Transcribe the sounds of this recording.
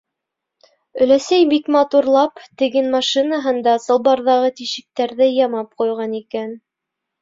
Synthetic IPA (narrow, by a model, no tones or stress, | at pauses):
ɵ̆læsæjbikmɑt̪uɾlˠɑpt̪ɘ̆ɡɘnmɑʃinɑɦɤ̆nd̪ɑsɤ̆lˠbɑɾðɑʁɤt̪iʃɘ̆k̚t̪æɾðɘjɑmɑp̚qujʁɑnikæn